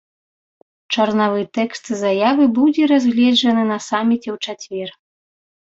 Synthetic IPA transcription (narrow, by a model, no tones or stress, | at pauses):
t͡ʂɐrnavɨt̪ɛkst̪zajavɨbud͡zʲɛɾazʲɣlʲɛd͡ʐɐnɨnɐsamʲit͡sʲɛwt͡ʂat͡sʲvʲɛr